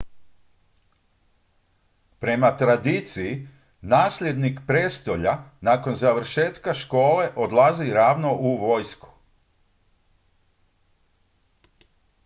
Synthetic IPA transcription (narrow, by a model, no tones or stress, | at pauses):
pɾe̞mat̪ɾad̪iːt̪siji | naːslʲe̞d̪nikpɾe̞ːst̪o̞ʎanaːko̞nzaʋɾ̩ʃe̞ːt̪kaʃko̞ːle̞ʔo̞d̪lˠaziɾaːʋnoʔuʋo̞jsku̥